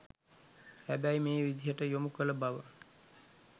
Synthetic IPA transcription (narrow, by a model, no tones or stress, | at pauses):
hæbæjmeːʋid̪ʱijəʈəjomukələbaʋə